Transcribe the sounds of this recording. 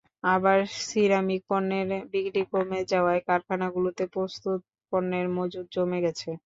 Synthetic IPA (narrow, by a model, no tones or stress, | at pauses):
abaɾsiɾamikoɾnːeɾbiɡʈikomed͡ʑaoaekaɾkʰanaɡulot̪epɾost̪ut̪̚ | koɾneɾmod͡ʑud̪̚d͡ʑomeɡɛt͡ɕʰe